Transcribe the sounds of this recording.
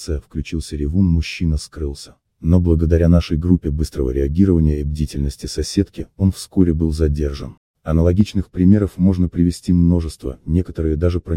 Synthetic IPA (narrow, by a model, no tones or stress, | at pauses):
sɨjəfklʲʉt͡ɕilˠsʲəɾʲɪvunmʊɕːinəskɾɨlˠsʲə̥ | no̞blˠəɡəd̪ɐɾʲanaʂəjɡɾupʲːɪbɨst̪ɾəvə̰ɾʲɪɐɡʲiɾəvənʲɪjəibdʲɪitʲɪlʲnəsʲtʲɪsɐsʲe̞t̪kʲɪo̞nfsko̞ɾʲɪbɨlˠzɐdʲerʐə̰n | ɐnəlˠɐɡʲit͡ɕnɨxpɾʲɪmʲe̞ɾəfmo̞ʐnəpɾʲɪvʲɪsʲtʲimno̞ʐɨst̪və̰nʲe̞kət̪əɾɨjəd̪aʐɨpɾə